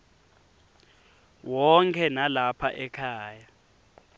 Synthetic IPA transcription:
wɔŋkʰɛnalapʰaʔɛkʰaːja

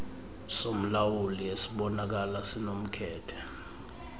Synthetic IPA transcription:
som̩lawuliesiɓɔnak̬alasinom̩kʰɛːtʰɛ̥

